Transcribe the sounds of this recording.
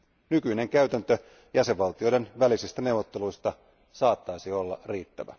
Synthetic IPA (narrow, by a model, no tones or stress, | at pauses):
nykyine̞ŋkæyt̪ænt̪ø | jæseʋʋɑlt̪io̞jde̞nʋælisist̪æne̞uwʋːot̪ːe̞lujst̪ɑ | sɑːt̪ːɑjsio̞lːɑ̰riːt̪ːæ̰ʋæ̰